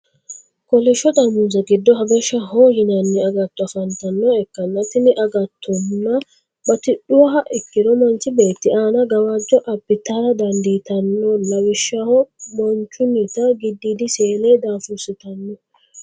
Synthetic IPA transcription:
kɔlɛʃːɔt̪ʼɐmuːzɐɡɪd̪ːɔɦɐɡɛʃːɐɦɔhɪnɐnːɛɐɡɐt̪ːɔɐfɐnt̪ɐnːɔɛkːɐnːɐt̪ɪnɪʔɐɡɐt̪ʰːɔnːɐ | bɐt̪ɪɗʊwɐɦɐʔɪkːɪd̪ɔmɐnt͡ʃɪbe̞ːt̪ːɪʔaːnɐɡɐwad͡ʒːɔʔɐbːɪt̪aːɾɐd̪ɐnd̪iːt̪ɐnːɔnɐwɪʃːɐhɔbɔnt͡ʃːʊnit̪ɐɡɪd̪ːiːd̪ɪseːleːd̪aːfʊsɪt̪ɐnːɔ

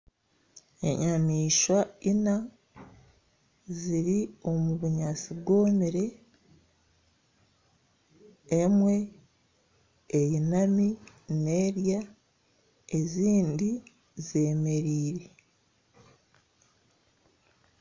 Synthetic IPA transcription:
ḛɲamiːʃwaina | ziɾio̞muβuɲasibɡo̞ːmiɾe̞ | mwe̞ | jinami | ne̞ːɾja | e̞ziːndi | ze̞me̞ɾiːɾe

